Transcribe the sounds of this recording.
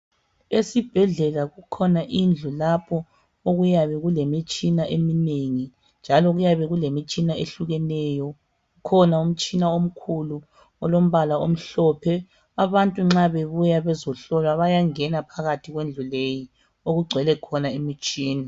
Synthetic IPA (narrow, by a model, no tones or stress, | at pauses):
esib̥ʱɛɮɛlaɣukʰɔnaʔind͡ɮʱulapʰɔ | oɣujaβɛɣulemit͡ʃʼinaʔemineŋi | nd͡ʒʱalɔɣujaβɛɣulemit͡ʃʼinaeɬuɣɛnɛjɔ | ɣukʰɔnaum̩t͡ʃʼinaom̩kʰulu | ɔlom̩βalaom̩ɬɔpʰɛ | aβantʼuŋ͡ǁaβeβujaβɛzɔɬɔlwaβajaŋɛnapʰaɣatʰiɣwend͡ɮʱuleji | oɣuɡ͡ǀʱwɛlɛkʰɔnaemit͡ʃʼiːna